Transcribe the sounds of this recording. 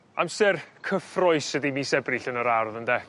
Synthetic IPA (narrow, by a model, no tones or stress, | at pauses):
amsɛrkʰəfrɔɨsədimiːsɛbrɪɬənəɾarðəndɛ